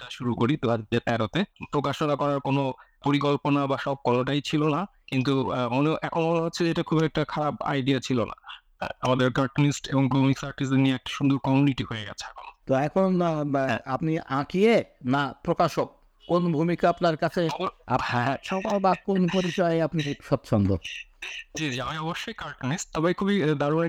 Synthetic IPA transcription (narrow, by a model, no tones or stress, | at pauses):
ʈaʃuɾukoɾit̪oad͡ʑd̪et̪ɛɾot̪epɾokaʃonakɔɾaɾkono | poɾikolponabaʃɔb̚kɔloʈajt͡ɕʰilona | kint̪uoleʔɛkʰonbɔlaɦotːɕʰeeʈakʰubɛk̚ʈakʰaɾaba̰jɖiat͡ɕʰilonʔa̰ | amad̪eɾɡaʈonisʈeboŋbʱumiksaɾʈisenːieɛk̚ʈḁʃund̪uɾkɔmuniʈiɦoeɡɛ̰t͡ɕʰeɛkʰonot̪oɛkʰonaapniʔãkʰijenapɾokaʃok̚ | konbʱumikaapnaɾkat͡ɕʰeahɛ̃ʃɔkalbakonpoɾit͡ɕɔeapniɾkʃɔb̚t͡ʃʰɔnd̪ʱo̰ | d͡ʑid͡ʑamaɔboʃːojkaɾʈonisʈ̚t̪ɔbejkʰubid̪aɾu